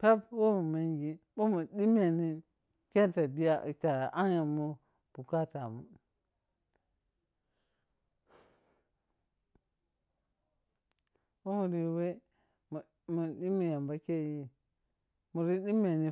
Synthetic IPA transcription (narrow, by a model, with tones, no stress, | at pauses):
pe˦bwo˦mu˨me˦ŋɡi˦ɓo˦mu˨di˦m˦e˨ni˦ | ke˦nta˨bi˦ja˨t͡ʃa˨ʔa˦nja˨mu˦ | b̥u˨ka˦ta˨mu˨ | ɓo˦mu˨ɾi˨we˦ | mu˨ | mu˨di˦mi˨ja˨mba˦ke˦ji˦ | mu˨ɾi˦ɗi˦me˨ni˨